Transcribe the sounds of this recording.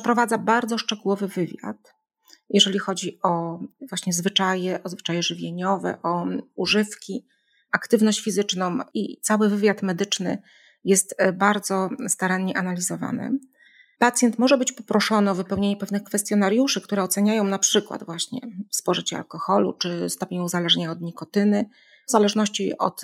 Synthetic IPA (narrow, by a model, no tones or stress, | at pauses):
ɛpɾɔvad̪zabaɾd̪zɔʂt͡ʂɛɡuwɔvɘvɘvʲja̰t̪ | jɛʐɛlʲixɔd͡ʑiʔɔvwaɕɲɛzvɘt͡ʂajɛʔɔzvɘt͡ʂajɛʐɘvʲjeɲɔvɛ̰ʔɔuʐɘfkʲi | akt̪ɘvnɔɕt͡ɕfʲizɘt͡ʂnɔw̃ḭt̪sawɘvɘvʲjat̪mɛd̪ɘt͡ʂnɘ̰ | jɛst̪baɾd̪zɔst̪aɾaɲɲɛʔanalʲizɔva̰nɘ̰ | pat̪sʲjɛnt̪mɔʐɛbɘt͡ɕpɔpɾɔʂɔnɘɔvɘpɛwɲeɲɛpɛvnɘxkfɛst̪ʲjɔnaɾjuʂɘk̚t̪uɾɛɔt̪sɛɲajɔ̃w̃napʂɘkwa̰d̪vwaɕɲɛ̰spɔʐɘt͡ɕɛa̰lkɔxɔlṵt͡ʂɘst̪ɔpʲeɲuzalɛʐɲaɔd̪ɲikɔt̪ɘnɘ | zalɛʐnɔɕt͡ɕiʔɔ̰t̪